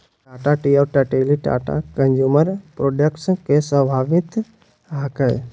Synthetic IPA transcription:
ʈaːʈaʈiɔɾʈəʈeːliʈa̰ːʈa̰kənd͡ʒuːməɾpɾoːɖəkskesəbʱaːʋɪt̪ | ɦakəj

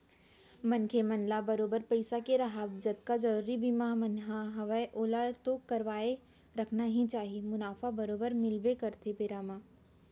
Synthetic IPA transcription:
mɐnkʰemɐnlabɐɾoːbəɾpɐɪsakeɾɐɦaːbd͡ʒɐt̪kad͡ʒəɾibimamɐnɦaɦɐʋəeʔoːlat̪okɐɾʋaːe | ɾɐkʰnaɦĩt͡ʃaːɦiemʊnaːfabɐɾoːbəɾmɪlbekɐɾt̪ʰepeːɾaːmaː

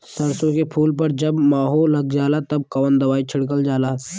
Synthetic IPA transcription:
sɐɾsõkepʰuːlpɐɾd͡ʒɐbmaːɦoːlːɐɡd͡ʒaːlat̪ɐb̚kɐʋənd̪ɐʋaːit͡ʃʰɪɽk̬əld͡ʒaːlaː

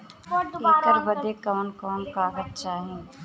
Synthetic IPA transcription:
eːəɾbɐd̪ekɔːnkɔːnkaːɡət̪̚t͡ʃaːɦẽː

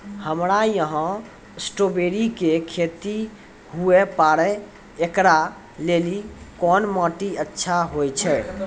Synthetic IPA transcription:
həmɾajəɦə̃ | sʈobeɾikekʰet̪i | huepaɽɛ | ekɾa | lelikɔnmɔ̃ʈiətːʃʰaɦojt͡ʃʰɛ

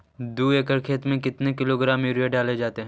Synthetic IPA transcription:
d̪uːeːkəɾkʰeːt̪mẽkɪt̪nekɪloɡɾãːmjuːɾieɖaːled͡ʒaːt̪eɦɛ̃

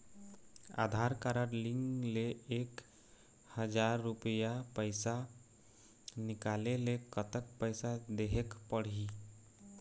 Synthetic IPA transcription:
a̰d̪ʱaɾkaɾəɾliŋɡleek | həd͡ʒaɾːupəjapəɪsa | nɪkalelekət̪ək̚pəɪsad̪eɦekpəɽ̤i

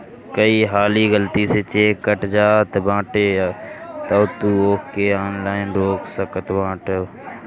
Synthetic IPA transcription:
kəiːɦaːliːɡəlt̪iset͡ʃeːkːəʈd͡ʒaːt̪bãːʈeː | t̪ət̪uːoːkkeaːnlaːɪnɖoːksəkət̪bãːʈe

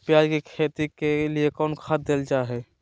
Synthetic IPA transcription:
pjaːd͡ʒkikʰet̪ikeliekɔːnkʰat̪̚d̪eːld͡ʒaɦɛ

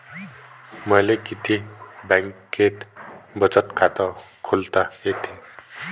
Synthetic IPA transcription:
mʌjlekit̪ʰibaŋkːet̪bʌt͡sʌt̪kat̪ʌkʰolt̪aɦet̪ʰe

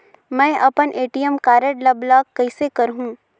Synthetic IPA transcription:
mɛ̃ːʔɐpənʔeːʈijəmkaːɾəʈlɐblaːkkːɐɪsekɐɾɦũː

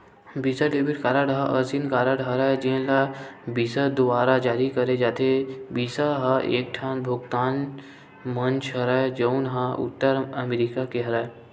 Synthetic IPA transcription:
biːsalebɪʈkaːɾəɽɦaʔɐsinkaːɾəɽɦɐɾad͡ʒẽlabiːsad̪ʊaːɾad͡ʒaːɾikəɾed͡ʒaːt̪ʰebiːsaɦaʔeːk̚ʈʰaːnbʱʊɡt̪aːn | mə̃nt͡ʃʰɦɐɾad͡ʒəʊnɦaʊ̰t̪ːəɾəmeɾikakeɦɐɾə

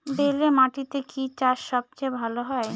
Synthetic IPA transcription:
belemaʈit̪ekʰit͡ɕaʃʃɔb̚t͡ɕebʱaloɦɔe

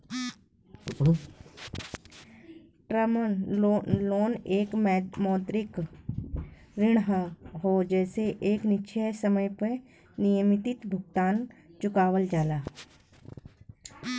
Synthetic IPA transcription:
ʈɾəmən | loːneːkmɛmɔːt̪ɾɪk | ɾɪɽ̃ɦəɦod͡ʒɛːseʔeːknɪʃʰesəməjpə | nijəmɪt̪ɪt̪bʱʊɡ̚t̪aːnt͡ʃʊkaːwəld͡ʒaːlaː

